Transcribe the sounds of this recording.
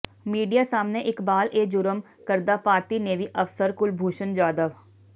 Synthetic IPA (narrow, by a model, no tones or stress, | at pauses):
miːɖijaːsaːmneʔɪkbaːlʔeːd͡ʒʊɾəm | kəɾd̪aːpaːɾt̪iːneʋiʔəfsəɾkʊlbʱuːʃənd͡ʒaːd̪əʋ